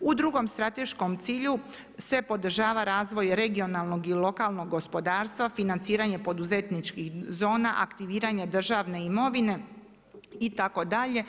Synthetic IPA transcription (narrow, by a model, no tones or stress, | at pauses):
ud̪ɾuɡo̞mst̪ɾat̪e̞ʃkomt̪siːʎu | se̞po̞d̪r̩ʒaːʋaɾaːzʋo̞jɾe̞ɡio̞nalˠno̞ɡilˠo̞kalˠno̞ɡːo̞spo̞d̪aːɾst̪ʋafinant̪siːɾaɲe̞po̞d̪uzet̪nit͡ʃkixzo̞ːnaʔa̰kt̪iʋiːɾaɲe̞d̪r̩ʒaːʋne̞imo̞ʋine̞ | it̪ako̞d̪aʎe̞